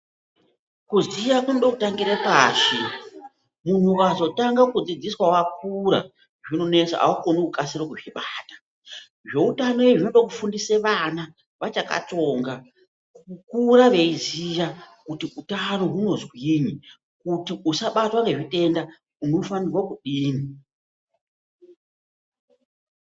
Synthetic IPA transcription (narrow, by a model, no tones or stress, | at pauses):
kuzijakunoɗokutaŋɡiɾepaːʃe | mun̤uwazo̞taŋɡakud͡zid͡ziswawak̚uɾa̰ | ʐino̞ne̞sa̰a̰ukonokukasiɾokuʐiɓaːtḁ | ʐe̞utano̞jeʐinoɗok̬ufundiseʋana | ʋat͡ʃaka̰to̞ŋɡa | kkuɾaʋe̞izijakutiutano̞ɦuno̞zwiːɲi | kutiusaɓatwaŋɡe̞ʐite̞nda | uno̞fanirwakuɗiːni